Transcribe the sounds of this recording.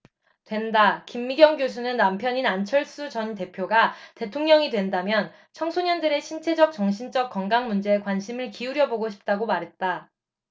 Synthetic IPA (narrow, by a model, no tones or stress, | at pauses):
twe̞ndakimːiɡjʌŋɡjos̬ʰunɯnːampʰjʌɲinant͡ɕʰʌɭs͈ut͡ɕʌnte̞pʰjoɡate̞tʰoŋɲʌŋidwe̞ndamjʌn | t͡ɕʰʌŋsʰoɲʌndɯɾe̞ɕʰint͡ɕʰe̞d͡ʑʌk̚t͡ɕʌŋɕʰint͡ɕ͈ʌk̚k͈ʌŋɡaŋmund͡ʑe̞ːkwanɕʰimɯɭkiuɾjʌboɡoɕʰi̥p̚t͈aɡomaɾɦe̞t̚t͈a